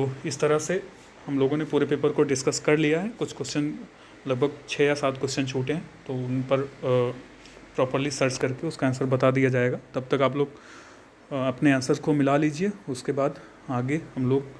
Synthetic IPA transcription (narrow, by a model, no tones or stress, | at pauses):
t̪oːɪst̪ɐɾəse | hɐmloːɡõnepuːɾepeːpəɾkoɖɪskəskɐɾlijaɦɛkʊt͡ʃʰkwɛst͡ʃən | lɐɡ̚bʱɐɡ̚t͡ʃʰɛːjasaːt̪kwɛst͡ʃənt͡ʃʰuːʈeɦɛ̃t̪oʊnpɐɾ | pɾɔːpəɾlisɐɾt͡ʃkɐɾkeʊskaɛːnsəɾbɐt̪ad̪ijad͡ʒaːeːɡaːt̪ɐb̚t̪ɐkaːploːɡ | ɐpneɛːnsəɾskomɪlaliːd͡ʒieʊskebaːd̪ | aːɡehɐmloːɡ̚